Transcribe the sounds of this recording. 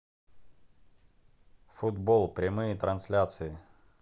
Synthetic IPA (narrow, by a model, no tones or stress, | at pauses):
fʊd̪bolˠpɾʲɪmɨjɪt̪ɾɐnsʲlʲat̪sɨjɪ